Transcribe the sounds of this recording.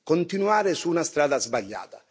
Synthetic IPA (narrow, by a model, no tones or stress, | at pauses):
kont̪inuaːɾɪsuːnast̪ɾaːd̪azbaʎːa̰ːt̪ḁ